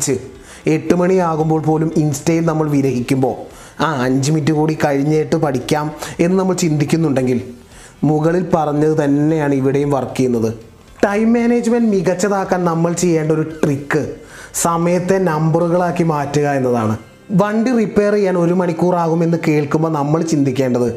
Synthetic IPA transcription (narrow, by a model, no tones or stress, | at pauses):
t͡ɕːɨ | e̞ʈːɨmɐɳiaːɣumboːɭpoːluminstɐjilnɐmːɐɭʋiɾɐɦikʲːumbo̞ː | aːɐɲd͡ʑɨmitːuɣuːɽikɐɻiɲːeːʈːɨpɐɽikʲːaːme̞nːɨnɐmːɐɭt͡ɕind̪ikʲːunːuɳɖe̞ŋɡil | muɣɐɭilpɐrɐɲːɐðɨt̪ɐnːe̞jaːɳɨiʋiɽe̞jumʋɐrkːijunːɐðɨ | ʈɐjmːeːneːd͡ʑɨmɐnɖmiɣɐt͡ɕːɐðaːkːaːnnɐmːɐɭt͡ɕe̞jːeːɳɖɐo̞ɾuʈrikːɨ | sɐmɐjɐt̪ːe̞nɐmbɐruɣɐɭaːkːimaːtːuɣɐe̞nːɐðaːɳɨ | ʋɐɳɖiripːe̞ːrɨjaːno̞ɾumɐɳikʲːuːraːɣume̞nːɨke̞ːɭkumbo̞ːnɐmːɐɭt͡ɕind̪ikʲːe̞ːɳɖɐðɨ